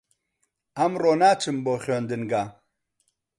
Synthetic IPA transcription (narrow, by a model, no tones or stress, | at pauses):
ɐmɾoːnaːt͡sʰimboːχoːnd̪inɡa